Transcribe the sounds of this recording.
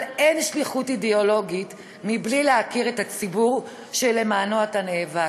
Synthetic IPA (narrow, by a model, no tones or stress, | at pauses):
le̞nʃliχutideo̞lo̞ɡit | miblileakiʁetat͡sibuʁ | ʃele̞maːnoataneːva